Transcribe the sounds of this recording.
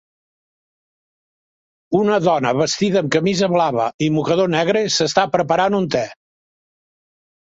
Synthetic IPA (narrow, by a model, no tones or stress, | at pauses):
unəðɔnəβəst̪iðəːmkəmizəβlaβə̰imukəðonɛɣ̞ɾesəst̪apɾəpəɾanunt̪ɛ